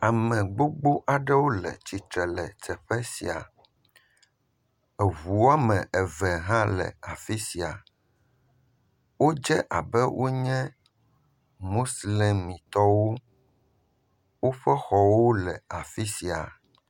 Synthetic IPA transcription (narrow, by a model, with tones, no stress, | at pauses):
a˨mɛ̃˨ɡ͡bo˦ɡ͡bo˦ʔa˨ɖɛ˦wo˦lɛ̰˨t͡ɕi˨t̪ɾɛ˨lɛ̰˨tɛ˨ɸɛ˦si˨a̰˨ | ɛ˨vu˨wo˦a˦mɛ̃˨ʔɛ˨vɛ˨ɦã˦lɛ̰˨a˨fi˦si˨a˨ | wo˦d͡ʒɛ˦ʔa˨bɛ˦wʔo˦ɲɛ̃˦ | mo˦sle˦mmːĩ˨t̪ɔ˦wo˦ | wo˦ɸɛ˦xɔ˨wo˦lɛ˨a˨fi˦si˨a̰˨